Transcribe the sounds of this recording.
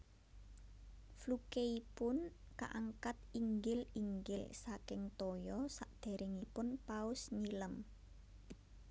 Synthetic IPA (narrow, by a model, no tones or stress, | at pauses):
flukeipʊn | ka̰ʔaŋkat̪̚iŋɡɪliŋɡɪlsakɪŋt̪ɔjɔsaʔd̪̥e̤ɾʔɪŋipʊnpaʊsɲiləm